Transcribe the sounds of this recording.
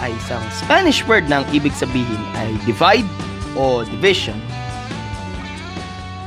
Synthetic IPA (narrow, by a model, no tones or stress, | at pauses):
ʔɐjsɐŋspanɪʃwɛɹd̪̚nɐŋʔiːbɪɡ̚sɐbiːɦɪnɐjd̪ɪvajd̪̚ | ʔod̪ɪvɪʃɔn